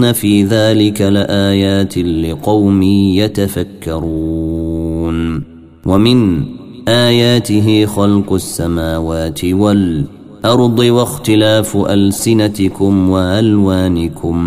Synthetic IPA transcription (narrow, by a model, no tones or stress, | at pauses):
nafiːðaːlɪkalɪʔaːjaːt̪ɪlɪqɑwmiːjat̪afakːɑɾuː | n | wamɪn | ʔaːjaːt̪ɪɦɪxɑlqʊʔasːamaːwaːt̪ɪwal | ʔɑɾˤd̪ˤiwaxt̪ɪlaːfʔalsɪnat̪ɪkʊmwaʕalwaːnɪkʰʊm